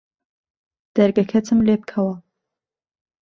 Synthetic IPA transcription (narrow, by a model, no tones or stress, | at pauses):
d̪̥ɐɾɡɐkʰɐt̪ʰɨmleːb̚kʰɐwɐ